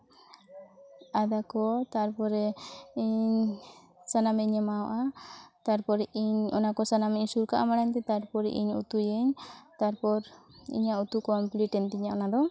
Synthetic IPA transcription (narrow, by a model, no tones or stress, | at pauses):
ad̪akɔt̪aɾpɔɾɛiɲ | sanamɛɲɛmawɔʔat̪aɾpɔɾɛʔiɲɔ̰nakɔsanamɛɲsuɾkaʔamaɽaɲt̪ɛt̪aɾpɔɾɛʔḭɲṵt̪ujɛɲt̪aɾpɔɾḭɲaut̪ukɔmpliʈɛnt̪iɲaʔɔnad̪ɔ